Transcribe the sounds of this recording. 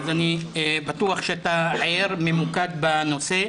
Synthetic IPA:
zanibat̪uaχʃeat̪aʕaeʁme̞mukad̪bano̞se̞

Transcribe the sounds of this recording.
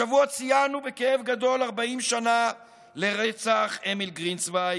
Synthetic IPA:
avuat͡sijanubekeevɡad̪o̞laʁbaimʃana | le̞ʁet͡saχemilɡʁinsbaj

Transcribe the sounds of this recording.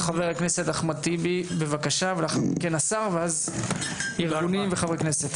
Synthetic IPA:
χaveʁekne̞set̪aχmat̪ibibevakaʃavalaχkenasaʁveaz | iʁɡunimveχavʁekneset̪

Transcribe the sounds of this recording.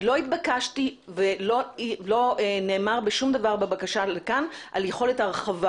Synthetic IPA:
lo̞it̪bakaʃtivelolo̞ene̞ːmaʁbeʃumd̪avaʁbebakaʃalekanʔaljeχo̞letaʁχava

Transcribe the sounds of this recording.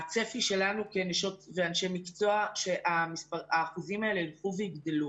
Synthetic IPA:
at͡se̞fiʃe̞lanuke̞neʃo̞tve̞anʃe̞mikt͡so̞aʃe̞ʔamispaaːχuzimae̞lelχuveiɡd̪elu

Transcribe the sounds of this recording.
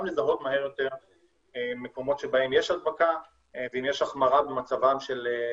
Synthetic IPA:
amlezaɦo̞t̪maɦe̞ʁjo̞t̪e̞ʁ | mːeko̞mo̞tʃebaemjeʃad̪̚baka | veimjeʃaχmaʁabemat͡savamʃele

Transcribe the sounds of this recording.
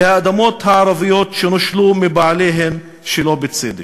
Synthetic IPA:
haʔad̪amoːt̪haʕaɾˤɑvijoːt̪ʃenaʃlumɪbaʕleːɦem | ʃeloːbɪt͡sḛːd̪ḭ

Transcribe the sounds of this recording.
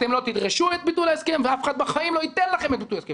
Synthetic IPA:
t̪emlo̞t̪id̪ʁeʃuet̪̚bit̪ulaeskemveafeχad̪̚baχaimlo̞it̪enlaχe̞met̪̚bit̪ulaskem

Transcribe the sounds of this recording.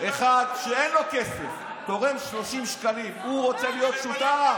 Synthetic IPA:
eχad̪ʃeenlo̞ke̞sef | t̪o̞ʁenʃlo̞ʃimʃkalimuʁo̞t͡selijo̞t̪ʃut̪aa

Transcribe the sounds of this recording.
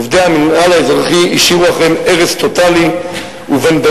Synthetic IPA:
vd̪eaminalaezʁaχiiʃiʁuaχe̞me̞ʁest̪o̞t̪ali | uvenba

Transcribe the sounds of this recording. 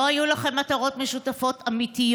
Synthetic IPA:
oajulaχe̞mːat̪ɐʁo̞tmeʃutafo̞t̪amit̪ij

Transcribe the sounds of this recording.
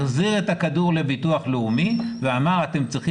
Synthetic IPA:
χziʁetakaduʁle̞bituaχleumiveamaʁate̞mt͡sʁiχi

